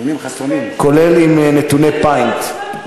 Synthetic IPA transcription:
kolelimnet̪unepajnt̪

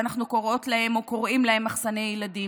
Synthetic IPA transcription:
anaχnuko̞ʁo̞tlahe̞moko̞ʁʔimlahe̞maχsanejjeladi

